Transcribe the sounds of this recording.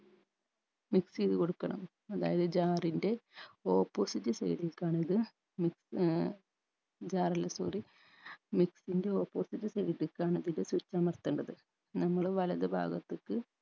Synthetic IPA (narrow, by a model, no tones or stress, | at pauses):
miksiðɨko̞ɽukːɐɳɐ̰m | ɐða̰ːjɐðɨd͡ʑaːrinde̞o̞ːpːo̞ːsitːɨsɐ̰jɽilkaːɳiðɨ | miks | d͡ʑaːrɐlːɐsoːri | miksinde̞o̞ːpːoːsitːɨsɐjɽilkːaːɳiðindesut͡ɕːaːmɐrt̪ːuɳɖɐðɨ | nɐmːɐɭʋɐlɐðɨbʱa̰ːɡɐt̪ːɨkːɨ